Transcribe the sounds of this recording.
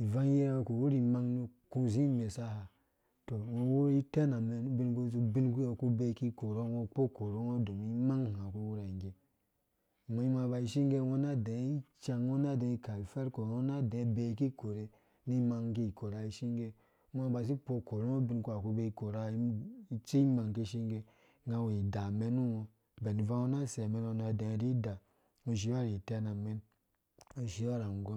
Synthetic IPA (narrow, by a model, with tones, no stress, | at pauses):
i˨va˦ŋ˦je˦ɾo˨ku˨wu˦ɾi˨ma˦ŋnu˦ku˦zi˦me˨sa˦ha˨ | to˨wo˨wo˦i˦te˦na˨me˨nu˦bi˦nɡu˦zu˦bi˦nku˦o˨ku˦be˦˨ki˦˨ko˨ɾo˦wo˦˧k͡po˦ko˨ɾo˦ŋo˦du˨mi˦ma˦ŋ˨ha˨ku˦wu˦ɾa˨i˨ɡe˨ | mo˨i˦ma˧ba˧i˦ʃi˦ŋɡe˦wo˦na˦de˨˦i˦t͡ʃa˧ŋwo˦na˦de˨i˦ka˨li˨fe˦ɾko˨wo˦na˦de˨˦be˨ki˦ko˨ɾe˦ | ni˦ma˧ŋki˦˨ko˨ɾa˧i˨ʃi˦ŋɡe˧˦ | m˦a˦ba˨s̬i˦k͡po˧ko˨ɾe˦o˦bi˧˦nku˦a˨ku˦be˧i˦˨ko˨ɾa˦i˦t͡ʃi˦ma˨ŋki˦ʃi˦ŋɡe˧ | ŋ˦ɡa˧we˨i˨da˨me˦nu˦ŋo˧ | be˨ni˨va˦wo˦na˦˨se˨me˨˦no˧na˨de˨ɾi˦da˨ | mo˧ʃ̬i˨˦a˦ɾi˨te˦na˨me˦n | o˨ʃi˨˦a˦˨ɾa˨ŋ˨ɡo˦